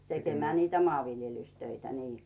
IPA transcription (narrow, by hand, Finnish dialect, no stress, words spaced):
tekemæː niːtæ moɑˑʋiljelystøitæ niː